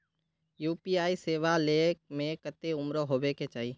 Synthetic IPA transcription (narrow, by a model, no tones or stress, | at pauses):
juːpiaːiseːʋalemẽkət̪eʊmɾoɦoːbeket͡ʃaːiː